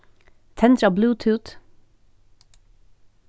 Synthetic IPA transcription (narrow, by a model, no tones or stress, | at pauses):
t̪ʰɛnt̪ɾɑːbluːt̪ʰʉːt̪